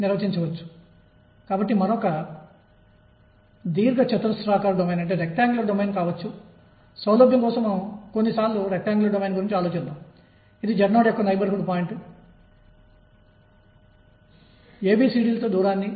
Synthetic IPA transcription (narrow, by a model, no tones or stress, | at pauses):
niɾʋɐt͡ʃiɲt͡ʃɐʋɐt͡ʃːu̥ | kaːbɐʈːimɐɾɔkɐ | d̪iːɾɡɐt͡ʃɐt̪ɾɐsɾaːkaːɾɐɖomejnɐɳʈe̞ːɾek̚ʈaːŋɡlɐɾɖomeːnkaːʋɐt͡ʃːu | sɐwlɐːbjɐŋkɔːsɐmeːmkonːisaːɾluɾek̚ʈaːŋɡlɐɾɖomeːnɡuɾiɲt͡ʃiaːlot͡ʃid̪aːm | id̪id͡ʒɐɾnoːɽjekːɐʋɐnɐjbɐɾɦuɖpaːjɳʈu | eːbiːsiːɽiːlɐt̪oːd̪uːɾaːnːi